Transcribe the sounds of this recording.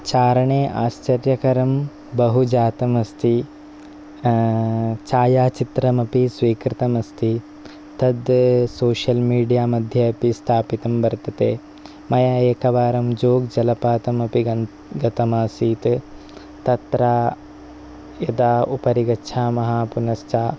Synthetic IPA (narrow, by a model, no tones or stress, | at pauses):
t͡ʃaːɾɐɳeːʔaːst͡ʃɐɾjɐkɐɾɐm | bɐɦud͡ʒaːt̪ɐmɐst̪ʰi | t͡ʃaːjaːt͡ʃit̪ɾɐmɐpisʋiːkɾɪt̪ɐmɐst̪ʰi | t̪ɐd̪soːʃɐlmiːɖijaːmɐd̪ʱjɐɐpist̪ʰaːpit̪ɐmbɐɾt̪ɐt̪eː | mɐjaeːkɐʋaːɾɐmd͡ʒoːɡd͡ʒɐlɐpaːt̪ɐmɐpiɡɐ | ɡɐt̪ɐmaːsiːt̪ | t̪ɐt̪ɾaː | jɐd̪aːupɐɾiɡɐtːʃʰaːmɐɦaːpunɐst͡ʃaː